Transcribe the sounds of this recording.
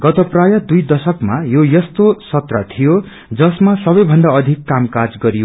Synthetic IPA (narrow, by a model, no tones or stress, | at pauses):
ɡʌt̪ʌprajʌd̪ujd̪ʌsʌkmajojʌst̪osʌt̪rat̪ʰijo | d͡zʌsmasʌbʌjbʱʌnɖ̪aʌd̪ʱikːamkad͡zɡʌɾijo